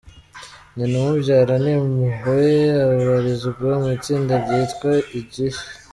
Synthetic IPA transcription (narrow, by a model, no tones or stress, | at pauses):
ninimubɟaːɾanimuɦojeaβaɾizuɡamiːt͡siːndabɟitkwaiɟiʃ